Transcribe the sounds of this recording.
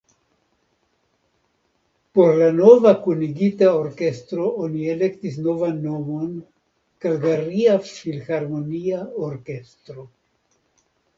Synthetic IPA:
po̞ɾlano̞vakuniɡitao̞ɾke̞stɾo̞onie̞le̞ktis̬no̞vanːo̞mo̞n | kalɡaɾiafsfilxaɾmo̞niaoɾke̞stɾo̞

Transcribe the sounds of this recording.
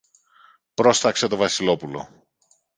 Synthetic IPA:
pɾo̞sθɐkset̪o̞vɐsilo̞pulo̞̰

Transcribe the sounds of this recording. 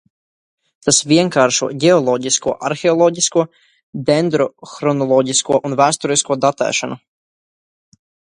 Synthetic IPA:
t̪asviɛŋkaːɾʃṵɔɟɛɔlˠɔːɟiskuɔʔaɾxeɔlˠɔːɟiskuɔ | d̪ɛnd̪ɾɔxɾɔnɔlˠɔːɟiskuɔʔunvæːst̪uɾiskuɔd̪at̪ɛ̰ːʃanu

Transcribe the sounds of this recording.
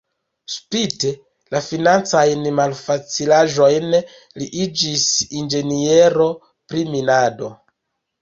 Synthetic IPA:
spite | lafinant͡sajnmalfat͡silaʒo̞jn | liʔid͡ʒisind͡ʒe̞nie̞ɾo̞ | pɾiminado̞

